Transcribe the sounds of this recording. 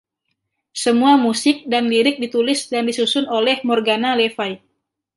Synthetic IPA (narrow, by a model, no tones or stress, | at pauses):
səmuamusɪk̚danliɾɪk̚dit̪ulɪsdandisusʊnolɛhmɔrɡanalefaj